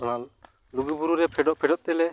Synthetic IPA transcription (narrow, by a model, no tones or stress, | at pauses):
na | luɡubuɾuɾɛpʰɛɖɔʔpʰɛɖɔt̪̚ˀːɛlɛ